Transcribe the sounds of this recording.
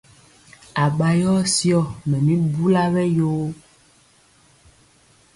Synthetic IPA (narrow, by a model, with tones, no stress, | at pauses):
a˨ɡ͡ba˨jɔ˦si˦ɔ˨mɛ̃˨mĩ˦bu˦la˦vɛ˦jo˦